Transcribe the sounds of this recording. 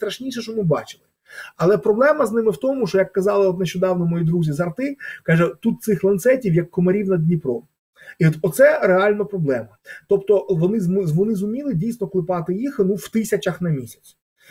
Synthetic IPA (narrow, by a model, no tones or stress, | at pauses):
st̪ɾɐʃnʲijʃɛʃɔmɪbɑ̰t͡ʃɪlˠɪ | ɐlˠɛpɾɔblˠɛmɐznɪmɪwt̪ɔmʊʃt͡ʃɔjɐkːɐzɑlˠɪɔt̪neʃt͡ʃɔd̪ɑwnɔmɔjid̪ɾuzʲizɐrt̪ɪkɑʒɛt̪ut̪̚sɪxlˠɐnt̪sɛtʲiwjɐkːɔmɐɾʲiwnɐdʲnʲipɾɔ | iɔt̪ɔt̪sɛɾeɑlʲnɐpɾɔblˠɛmɐt̪ɔpt̪ɔʋɔnɪzmzʋɔnɪzʊmʲilˠɪdʲijsnɔklˠɪpɑt̪ɪjixnuwt̪ɪsʲɐt͡ʃɐxnɐmʲisʲɐ̥t͡sʲ